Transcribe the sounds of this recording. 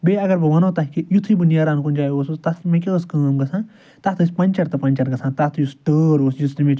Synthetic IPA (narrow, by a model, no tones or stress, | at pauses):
beːɐɡɐɾbɐʋɐnoːt̪ɐɦkijut̪ʰibɨnjaːɾaːnkunʲd͡ʒaːjoːsust̪ɐt̪imẽkʲeəskəːmɡɐsʰãːn | t̪ɐt̪ʰɨsʲpɐ̃nʲt͡ʃɐɾt̪ɐpɐnʲt͡ʃɐɾɡɐsʰãːt̪at̪ʰjusʈəːɾoːsjust̪imẽt͡ʃ